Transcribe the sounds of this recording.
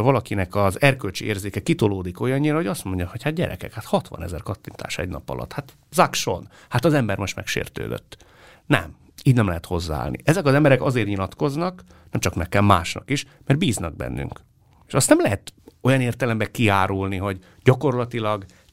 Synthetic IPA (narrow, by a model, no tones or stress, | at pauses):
vɒlɒkinɛkɒzɛrkølt͡ʃḭeːrzeːkɛkit̪oloːd̪iko̞jɒɲːiɾɦoɟɒst̪mo̞ɲɟɒho̞chat̪̚ɟɛɾɛ̰kɛ̰khat̪hɒt̪ʋɒ̰nɛ̰zɛ̰rkɒt̪ːint̪a̰ːʃɛ̰ɟnɒ̰pːɒ̰lɒ̰t̪hat̪ | zakʃo̞n | hat̪ɒzɛmbɛrmo̞ʃt̪mɛ̰kʃḛːrt̪ø̰ːd̪ø̰t̪ː | nɛ̰m | iːɟnɛmlɛɦɛt̪ho̞zːa̰a̰ːlnḭɛzɛkɒzɛmbɛɾɛkɒzeːrɲilɒt̪ko̞znɒk | nɛmt͡ʃɒknɛkɛmːaːʃnɒ̰kiʃ | mɛrd̪biːznɒɡ̚bɛ̰nːy̰ŋk | eːʃɒst̪nɛmlɛɦɛt̪o̞jɒneːrt̪ɛlɛmbɛkiaːɾulniɦo̞ɟ | ɟɒko̞rlɒt̪ilɒɡ